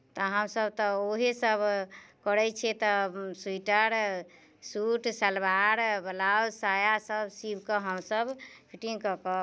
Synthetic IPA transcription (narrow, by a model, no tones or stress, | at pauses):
t̪ɔɦəmsəbt̪ɔoɦesəbkɔɾɛt͡ʃʰɛt̪ɔsuiʈəɾ | suʈsəlbaɾbəlawsajasəbsibkəɦəmsəbpʰiʈĩŋkəkə